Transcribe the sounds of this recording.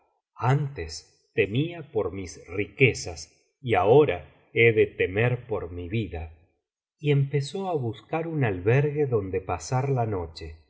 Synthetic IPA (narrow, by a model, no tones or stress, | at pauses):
ant̪es | t̪e̞miapoɾmisrikesas | iaoɾa | eðet̪emeɾpoɾmiβiða | iempe̞soaβuskaɾunalβeɾɣeðo̞nd̪epasaɾlano̞t͡ʃe